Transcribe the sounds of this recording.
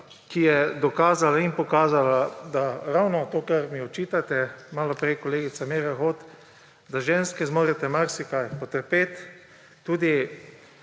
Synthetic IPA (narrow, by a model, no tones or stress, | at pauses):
kijɛd̪ɔkaːzalainpɔkaːzalad̪aɾawnɔt̪oːkaɾmiɔt͡ʃiːt̪at̪ɛmaːlɔpɾejkɔleːɡit̪sameːɾaxoːt̪ | d̪aʒeːnskɛzmoːɾɛt̪ɛmaɾsikajpɔt̪əɾpeːt̪ː | uːd̪i